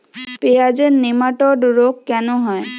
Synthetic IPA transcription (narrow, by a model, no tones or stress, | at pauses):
pead͡ʒenːemaʈɔɖɾokːɛnõɦɔj